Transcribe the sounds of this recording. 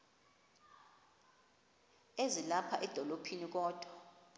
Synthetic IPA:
ezilapʰa̰ʔɛd̥ʱɔlopʰinik̬ɔːd̥ʱwɔ

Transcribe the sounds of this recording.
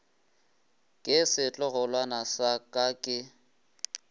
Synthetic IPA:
kʼɪsɪt͡ɬʼɔɣɔlwanasakʼakʼɪ

